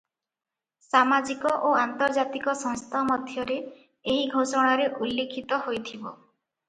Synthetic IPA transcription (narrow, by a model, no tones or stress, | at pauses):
samad͡ʒikɔʔoant̪ɔɾd͡ʒat̪ikɔsɔ̃ŋst̪ʰamɔd̪ʱjɔɾe | eɦiɡʱosɔɽ̃aɾeʔulːekʰit̪ɔɦojt̪ʰibɔ